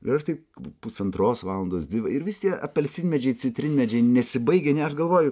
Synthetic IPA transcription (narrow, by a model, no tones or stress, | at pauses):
ɪɐʃt̪ɐɪpʊsɐnt̪ɾoːsʋɑːlˠɐnd̪oːsd̪ʲʋʲɪʋɐɪɾʋʲɪsʲt̪ʲiɛɐpʲɛlʲsʲɪnʲmʲɛd͡ʒʲɛɪt͡sʲɪt̪ʲɾʲɪnʲmʲɛd͡ʒʲɛɪnʲɛsʲɪbɐɪɡʲɛnʲɛɐʃɡɐlˠʋoːjʊ